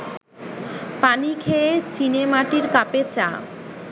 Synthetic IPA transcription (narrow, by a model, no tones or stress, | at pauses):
panikʰeet͡ɕinemaʈiɾkapet͡ɕa̰